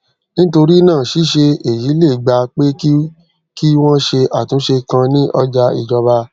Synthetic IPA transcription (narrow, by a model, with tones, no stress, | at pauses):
nĩ˦to˧ɾi˦nãː˦˨ʃi˨˦ʃe˧e˨ji˨˦le˦˨ɡ͡ba˧k͡pe˦k | ki˦w̃ɔ̃˦ʃe˧ʔa˨tũ˨˦ʃe˧kã˧nĩ˦ʔɔ˦d͡ʒa˧ḭ˨d͡ʒɔ˧ba˧